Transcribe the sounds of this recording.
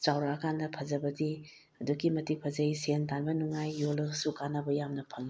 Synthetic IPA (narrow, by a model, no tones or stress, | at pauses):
t͡ʃawɾaɐkʰandɐpʰɐzɐbɐdi | ɐduɡimɐtipʰɐzɐjsentʰanbɐnuŋajːolɐsukanɐbɐjamnɐpʰɐŋi